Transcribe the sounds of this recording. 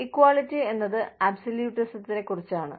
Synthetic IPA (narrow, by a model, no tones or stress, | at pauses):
ikːwaːɭitːie̞nːɐðɨɐbsɐljuːʈːɐsɐt̪ːine̞kːurit͡ɕːaːɳɨ̰